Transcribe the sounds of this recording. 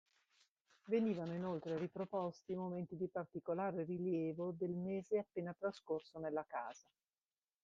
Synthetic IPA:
veniːvanoinolt̪ɾeɾipɾopɔst̪imoment̪id̪ipart̪ikolaːɾeriljɛːvod̪elmeːzeapːeːnat̪ɾaskorsonelːakaːz̥a

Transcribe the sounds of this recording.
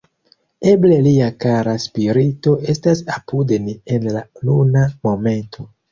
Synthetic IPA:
e̞ble̞liakaɾaspiɾito̞ʔe̞stasapudenie̞nlalunamo̞me̞ntʰo̞

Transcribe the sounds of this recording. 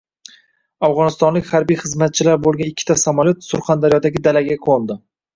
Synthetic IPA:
afʁɒnɪst̪ɒnlɪkʲhaɾbijχɨzmat̪̚t͡ʃʰɪlaɾbolˠɡʲanɪkʲːɪt̪asamalʲˠjot̪sʊɾχand̪aɾijɒd̪aɡʲɪd̪alaɡʲakʰolˠd̪ɪ

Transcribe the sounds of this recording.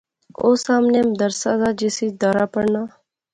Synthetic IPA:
o̰ːsaːmneːmd̪əɾsaːzaːd͡ʒɪsiːd̪aːɾaːpəɽnaː

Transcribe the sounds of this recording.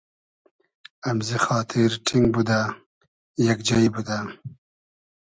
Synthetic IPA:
amzixɑːt̪ʰɪɾʈʰɪŋɡbud̪a | jakd͡ʒajibud̪a

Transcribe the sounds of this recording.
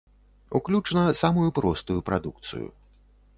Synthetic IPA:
uklʲut͡ʂnɐsamujupɾɔst̪ujupɾa̰d̪uk̚t̪sɨ̰jṵ

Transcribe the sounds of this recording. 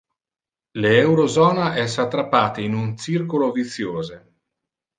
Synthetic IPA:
leɛwɾozɔːnaʔɛsat̪ːɾapːaːt̪einunt͡ʃirkolovit̪sːjoːze

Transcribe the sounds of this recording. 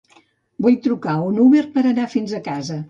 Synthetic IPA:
bujt̪ɾukaunuβeɾpəɾənafinzəkazə

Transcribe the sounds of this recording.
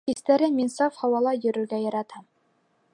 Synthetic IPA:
ist̪æɾɘnmʲinsɑfhɑwɑlˠɑjɵ̆ɾɵ̆ɾɡæjɑɾɑt̪ɑm

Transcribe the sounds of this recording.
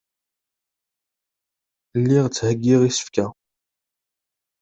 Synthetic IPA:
lːiʁt͡sːhəɡːiʁisə̥fkæ

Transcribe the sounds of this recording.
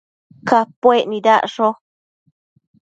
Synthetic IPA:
kapʷwenĩðaʔʂo

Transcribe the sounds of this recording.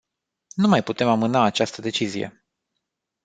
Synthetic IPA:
numajput̪e̞mamɨnaːt͡ʃast̪əd̪e̞t͡ʃizije̞̰

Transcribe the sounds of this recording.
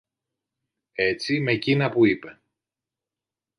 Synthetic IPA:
e̞t͡sime̞cinɐpuipe̞

